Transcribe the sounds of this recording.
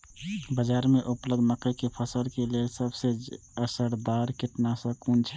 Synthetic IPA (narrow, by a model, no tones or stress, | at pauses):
bəd͡ʒaːɾmeʔʊpləd̪məkəjkepʰəsəlkelelsəbse | əsəɽd̪aːɾkɪʈnasəkunt͡ʃʰ